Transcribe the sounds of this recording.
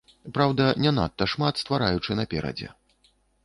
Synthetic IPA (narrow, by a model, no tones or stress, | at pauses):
pɾawd̪ɐnʲɛna̰t̪ːɐʂmat̪st̪vaɾajut͡ʂɨnɐpʲɛɾɐ̰d͡zʲɛ̰